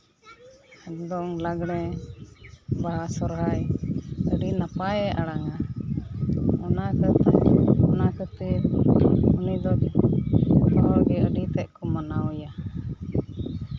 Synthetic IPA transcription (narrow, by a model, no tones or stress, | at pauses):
aɡd̪ɔŋlaɡɽ̃ɛ | baɦasɔɾɦajəɖinapajɛʔaɽaŋa | ɔnakət̪ɔnakət̪i | unid̪ɔd͡ʒ | ɔpɔɔɡɛəɖit̪ɛʔkɔmanawja